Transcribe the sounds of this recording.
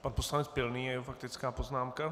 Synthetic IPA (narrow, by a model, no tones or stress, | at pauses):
panposlanɛt͡spɪlniːɛɛfak̚t̪ɪt͡skaːpoznaːmka